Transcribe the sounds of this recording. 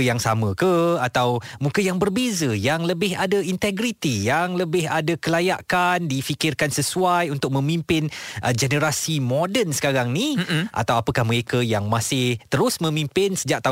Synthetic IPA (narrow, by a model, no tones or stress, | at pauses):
jaŋsamə̃kəat̪awmũkəjaŋbərbezəjaŋləbɪɦadəint̪ɛɡɾit̪ijaŋləbɪɦadəkəlajaʔkandifikɪrkansəsuajunt̪ʊk̚mə̃mimpɪnʔəd͡ʒɛnəɾasimodənsə̥kaɾaŋniʔa̰t̪awapəkahməɾekəjaŋmasɪht̪əɾʊsmə̃mĩmpɪnsəd͡ʒaʔ̚t̪a